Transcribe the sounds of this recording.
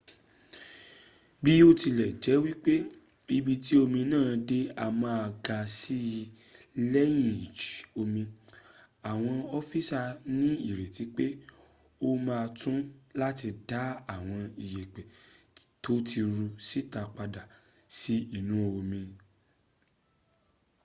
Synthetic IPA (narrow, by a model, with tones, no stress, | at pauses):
bi˦o˦ti˧lɛ˨d͡ʒɛ˨˦wi˦k͡pe˦ | i˧bi˧ti˦o˧mĩ˧nãː˦˨de˦a˧mãː˧a˧ɡa˧si˦˧ | lɛ˦j̃ĩ˦˨d͡ʒi˨˦o˧mĩ˧ | a˨w̃ɔ̃˧ɔ˧fi˦sa˧nĩ˦i˦˨ɾe˨ti˨˦k͡pe˦ | o˦mãː˧tũ˦la˦ti˧da˨˦a˦˨w̃ɔ̃˧i˨jɛ˨k͡pɛ˨ | to˦ti˧ɾu˧si˦ta˧k͡pa˧da˨ | si˦i˦˨nũ˦˧o˧mĩ˧